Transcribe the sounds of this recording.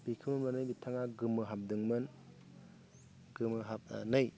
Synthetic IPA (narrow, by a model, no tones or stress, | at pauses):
bikʰɯmɯnbanɯjbitʰaŋaɡɯmɯɦap̚dɯŋmɯn | ɡ̥ɯmɯɦap̚nɯj